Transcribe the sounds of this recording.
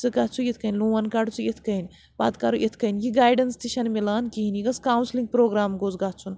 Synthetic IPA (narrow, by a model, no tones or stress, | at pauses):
t͡sɨɡatt͡sʰujit̪ʰkɐinʲluːʋɐnkaɖt͡sujet̪ʰkɐinʲ | ba̰ːd̪kaɾuʔet̪ʰkɐinjiɡaːjɖɐnst̪iʃɐnmilaːnkiɦiniɡɐskaːwnsliŋɡ̚pɾoːɡɾaːmɡozɡatt͡sʰun